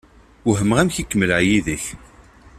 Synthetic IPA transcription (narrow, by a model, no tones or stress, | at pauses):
ʊɦəməʁæmçikːəməlʕjiðəç